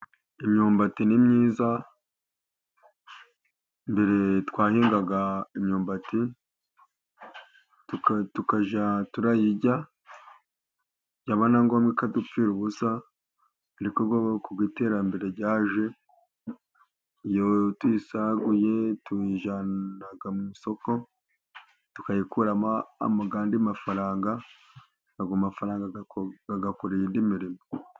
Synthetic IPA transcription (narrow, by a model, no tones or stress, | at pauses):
imɲuːmbatinimɲiːza | mbeɾetwaːhiːŋɡaɡaimɲuːmbati | tuktukaʒatuɾajiɟa | ɟaβanaŋɡomɡikadupiːɾuβusa | aɾikoɡokuɡwite̞ːɾambe̞ɾe̞ɟaːʒe̞ | ijotwisaɡujetuiʒanaɡamuiso̞ko̞ | tu̥kajikuɾamaa̰maɡaːndimafaɾaːŋɡa | aɡumafaɾaːŋɡaɡaɡakuɾiiːndimiɾimo